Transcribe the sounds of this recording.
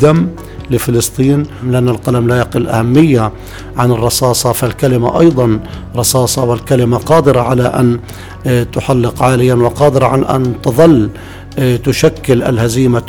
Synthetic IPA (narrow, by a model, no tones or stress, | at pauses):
d̪amː | lɪfɪlɨst̪ˤiːnmlʔanːalqalamlajɑqɪlːʔa̰hamːɪjːa | ʕanɨrˤːɑsɑːsˤɑfalkalɪma̰ʔɑjd̪ˤɑn | ɾˤɑsɑːsˤɑwɪlkalɪmaqɑːd̪ɪɾaʕalaʔan | t̪ʊħalːɪqʕaːlɪjanwɪqɑːd̪ɪɾˤɑʕanʔa̰nt̪ɨðˤɨlː | t̪ʊʃakːɪlʔa̰lhaziːma